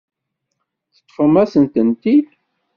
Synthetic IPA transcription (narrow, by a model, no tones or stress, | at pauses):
θə̥t̪ˤːfəmæsənt̪ənt̪id̪